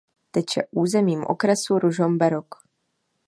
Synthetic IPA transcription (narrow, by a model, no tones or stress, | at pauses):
t̪ɛt͡ʃɛ̰ʔuːzɛmiːmʔo̰kɾɛsuɾuʒombɛɾok